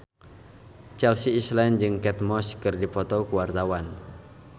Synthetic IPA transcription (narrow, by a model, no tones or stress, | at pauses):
t͡ʃɛlsiːslɛnd͡ʒɨŋkɛt̪̚mɔskɨrdipɔt̪ɔkuwart̪awan